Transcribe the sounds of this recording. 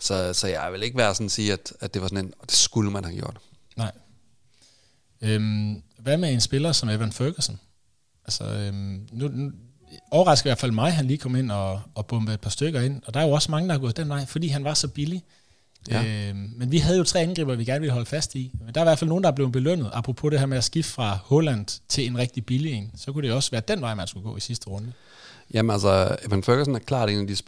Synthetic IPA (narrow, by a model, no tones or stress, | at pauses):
sɒsɒ̽jɑʋele̝ɡ̥əʋæɐsɔ̽n̩siːæd̥æd̥e̝ʋɑ̈sɔnend̥e̝sɡ̥uləmænhæɡ̥jo̝ɐd̥ | nɑ̈ɪ̰ | ømʋæmee̝nsb̥e̝lɐsɒ̽meʋænføːɡ̥əsn̩ | ælsə̰ømnunu | ɒʊɐʁɑ̈sɡ̥̩iʋæɐfælˠmɑ̈ɪɦænliːkʰɒ̽me̝n̰ɒ̽ːb̥ɔ̽mb̥əe̝d̚pʰɑ̈sd̥øɡ̥ɐe̝n̰ɒ̽d̥ɑæɐjo̝ɒ̽smɑ̈ŋəd̥ɑhɑɡɔ̽ːð̩ˠd̥enʋɑ̈ɪ̰fɒd̥ḭːɦænʋɑ̈sɒ̽b̥ili | menʋiɦæð̞ˠjo̝t͡sʰʁɛ̰ːænɡ̥ḭːb̥ɐʋiɡ̥æɐnəʋeləɦɒ̽ləfæsd̥ind̥ɑɐiʋæɐfælnoːn̩dɑb̥le̝ʊb̥e̝løn̰ð̞̩ˠɑ̈pʰʁɔpʰo̽ɾ̥e̝hɛɐmeæsɡ̥iffʁɑ̈hɔ̽læn̰d̥t͡sʰe̝le̝nʁɛɡ̥̚d̥ib̥ilie̝̰nsɒ̽kuɾ̥e̝oɒ̽sʋæːɐd̥en̰ʋɑ̈ɪ̰mænsɡ̥uɡ̥ɔ̰̽ːisisd̥əʁɔ̽nd̥ə | jæmnælsɐmhænføɡ̥ɐsɔnækʰlɑ̰̈ːe̝ːnæd̥is